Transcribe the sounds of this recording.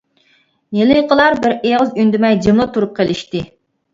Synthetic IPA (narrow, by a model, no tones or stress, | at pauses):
jelɨjqʰəlˠɑɾbɪɾeʁəzynd̪ymɛjd͡ʒimlˠɨt̪ʰuɾup̚qʰelɪʃt̪ɪ